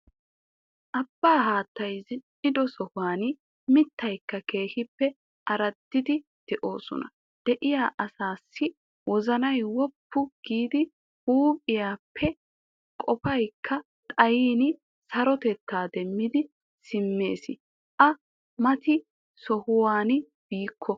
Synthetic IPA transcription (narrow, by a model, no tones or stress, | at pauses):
ʔɐbːaːɦaːt̪ːɐjzɪ | ɪd̪ɔsɔhʊwaːn | mɪt̪ːɐjkːɐke̞ːhɪpːɛ | ʔɐɾɐd̪ːɪd̪ɪ | d̪̥ɛʔo̞ːsɔ̰nɐ̰ | d̪̥ɛʔɪjaːʔɐsaːsːɪ | wɔzɐnɐjwɔpːʊɡ̥iːd̪ɪ | huːpʼɪjaːpʰːɛ | kʼɔpɐjkʰːɐ | t̪ʼɐjiːnɪ | sɐɾɔt̪ɛt̪ːaːd̪ɛmːɪd̪ɪ | sɪmːe̞̰ːsɪ̰ | ʔɐ | mɐt̪ɪ | sɔhʊwaːn | b̥iːkʰːɔ